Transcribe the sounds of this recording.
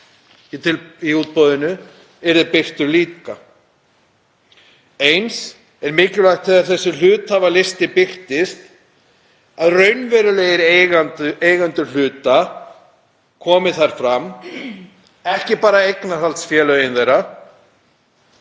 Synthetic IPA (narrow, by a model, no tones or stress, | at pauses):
it̪ʰɪliuːt̪̚pɔwðɪnʏ | ɛɾðɪpɪr̥t̪ʏliːka | ejns | ɛɾmɪːclʏlajxt̪fʰɪðaɾθɛsːʏlʏːt̪havalɪst̪ɪpɪr̥t̪ɪst̪ | aðrœɥnvɛːɾʏleːjɪɾeɣant̪ʏeːjɣant̪ʏl̥ʏːt̪a | kʰɔːmɪθaɾ̥fɾam | ɛhcɪpaːɾaejknaɾhalt̪sfjɛːlœjɪnθejra